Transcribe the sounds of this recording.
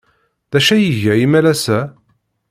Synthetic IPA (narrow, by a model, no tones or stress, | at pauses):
ðæʃæjəʝæimælæsæ